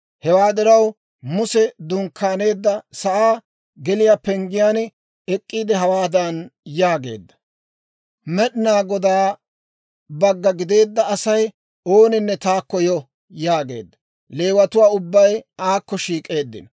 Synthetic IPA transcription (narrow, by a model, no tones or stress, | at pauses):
hɛwaːd̪ɪɾɐw | mʊsɛd̪ʊŋkːaːne̞ːd̪ːɐsɐʔaː | ɡɛlɪjaːpɛŋɡɪjaːnɛ | ɛkʼːiːd̪ɛɦɐwaːd̪ɐnjaːɡe̞̰ːd̪ːɐ̥ | mɛɗɪnaːɡɔd̪aː | bɐɡːɐɡɪd̪e̞ːd̪ːɐːsɐj | o̞ːnɪnːɛt̪aːkːɔjɔ | jaːɡe̞̰ːd̪ːɐ̥ | le̞ːwɐt̪ʊwaːʊbːɐjaːkːɔʃiːkʼe̞ːd̪ːɪ̰n